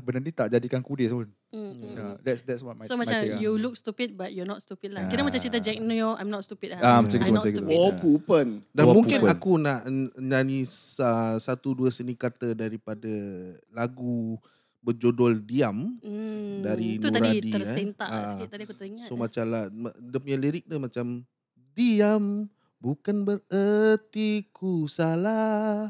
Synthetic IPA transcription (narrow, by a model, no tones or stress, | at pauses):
bənadit̪aʔd͡ʒadikankudɪsun̩ | dɛtsdɛtswɔt̚somat͡ʃamjuluk̚st̪upit̪̚bat̚jɔnɔtst̪upit̚lakiɾəmat͡ʃamt͡ʃit̪ad͡ʒɛk̚nujɔa̰jmnɔtst̪upit̚aamat͡ʃakit̪əanakopupəndanmũŋkɪnakunaʔɲanisəsat̪uduəsənikat̪ədaɾipadəlaɡu | bəd͡ʒodɔldiam | daɾinuɾadiasent̪aait̪adikuŋssomat͡ʃamladəpɲəliɾɪk̚nəmat͡ʃam | diam | bukanbərət̪ikusala